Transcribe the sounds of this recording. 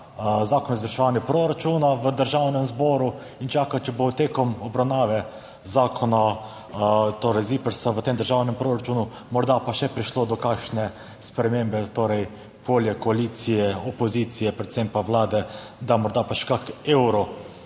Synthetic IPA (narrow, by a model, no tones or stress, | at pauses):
zaːkoɔnɔzd̪əɾʃɛʋaːnjɛpɾoɾat͡ʃuːnaʋəd̪əɾʒawnɛmzboːɾu | int͡ʃaːkat͡ʃɛbot̪eːkɔmɔbɾawnaːʋɛ | zaːkʰɔna | t̪oːɾɛjzipəɾsaʋət̪eːmd̪əɾʒawnɛmpɾoɾat͡ʃuːnu | mɔɾd̪apaʃɛpɾiʃlod̪ɔkakʃnɛ | spɾɛmembɛt̪oɾɛj | pʰoːljɛkɔaliːt̪sijɛɔpɔziːt̪sijɛpɾɛt̪sempaʋlaːd̪ɛ | d̪amɔɾd̪apaʃɛ̥kakeːwɾɔ